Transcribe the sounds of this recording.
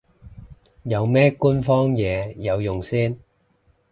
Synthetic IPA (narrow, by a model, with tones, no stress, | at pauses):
jɐ˨˧wmɛː˥ku˥nfɔː˥ŋjɛː˨˧jɐ˨˧wjʊ˨˩ŋsiː˥n